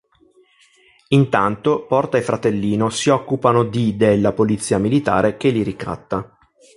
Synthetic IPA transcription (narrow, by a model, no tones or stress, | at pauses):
int̪ant̪opɔrt̪aefɾat̪elːiːnosiɔkːupanod̪id̪elːapolit̪sːiːamilit̪a̰ːɾʔek̟eliɾika̰t̪ːa